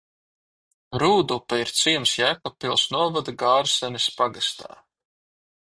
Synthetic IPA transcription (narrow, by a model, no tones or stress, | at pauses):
ɾuːd̪upaiɾt̪siɛmsjæːkɔpːilˠsnuɔvad̪ɨɡaːɾsɛnʲispaɡast̪ʰa̰ː